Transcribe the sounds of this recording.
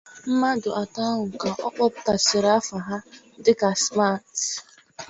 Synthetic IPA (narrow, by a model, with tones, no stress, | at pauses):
m̩˦ma˦dʊ˨ʔa˨ta˦ɦʊ˨ka˨ʔɔ˦k͡pɔ˦pʊ˦ta˨sɪ˨ɾa˦fa˨ɦa˦ | dɪ˦ka˨sma˦˨t